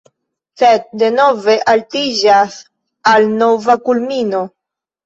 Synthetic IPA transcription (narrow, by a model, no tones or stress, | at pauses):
sed̪̚de̞noveʔaltiʒas | alnovakulmino̞